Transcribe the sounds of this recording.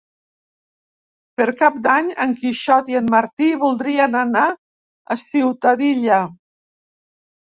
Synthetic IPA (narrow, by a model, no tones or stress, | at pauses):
pəɾkap̚d̪aɲəŋkiʃɔt̪iənmaɾt̪iβulˠd̪ɾiənana | əsiwt̪aðiʎə